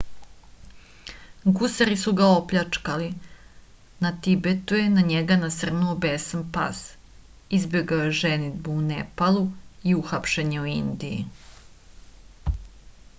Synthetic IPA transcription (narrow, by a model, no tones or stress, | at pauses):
ɡusaɾisuɡao̞pʎat͡ʂkali | nat̪ibet̪uje̞naɲeɡanasr̩nuobesampa̰s | izbeɡaojeʒenid̪buunepalˠuiuxapʃeɲeuind̪ijḭ